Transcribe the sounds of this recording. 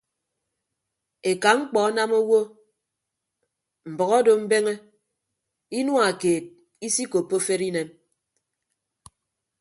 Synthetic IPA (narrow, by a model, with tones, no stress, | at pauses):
e˨ka˨ŋ͡m̩˦k͡pɔ˨a˦na˦mo˦wo˦ | m̩˨bɔ˨ɣɔ˦do˨m̩˦be˦ŋe˦ | i˦nwu˦a˨keː˨t̚ | i˦si˦ko˨pːo˦fe˦ɾi˦ne˨m